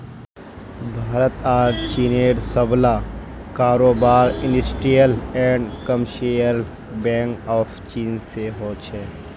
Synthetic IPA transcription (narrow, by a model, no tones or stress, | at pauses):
bʱaːɾət̪aːɖt͡ʃiːneːɖsəblaː | kaːɾoːbaːɾɪ̃nɖəsʈɾijəlɛ̃ːɳɖkəmʃejəɾ | bɛ̃ːŋkɔːfʰt͡ʃiːnseɦoːt͡ʃʰɛː